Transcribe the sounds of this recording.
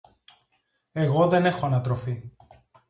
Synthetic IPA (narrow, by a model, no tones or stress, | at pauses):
e̞ɣo̞ðe̞ne̞xo̞ɐnɐt̪ɾo̞fi